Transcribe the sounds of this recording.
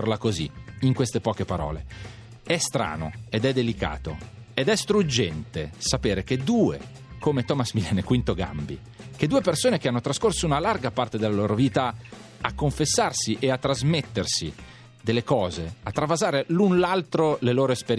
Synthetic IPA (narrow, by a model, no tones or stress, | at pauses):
rlakozḭiŋkwest̪epɔːkepaɾɔ̰ːle | ɛst̪ɾa̰ːno̰ed̪ɛd̪ːelika̰ːt̪o̰ | ed̪ɛst̪ɾud͡ʒːɛnt̪esapeːɾek̟ed̪uːḛ | komet̪ɔːmasmilɛːnekwint̪oɡa̰mbḭ | ked̪ːuːepersoːnekeanːot̪ɾaskorsounalarɡapart̪ed̪elːaloːɾoviːt̪a | akːoɱfesːarsiʔeat̪ːɾazmet̪ːersi | d̪elːekɔːzeat̪ːɾavazaːɾelunlalt̪ɾoleloːɾoespeɾ